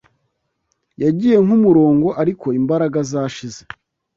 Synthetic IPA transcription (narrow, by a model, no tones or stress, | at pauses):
jaɟije̞ŋ̥umuɾo̞ːŋɡo̞ʔaɾiko̞imbaɾaɡazaːʃize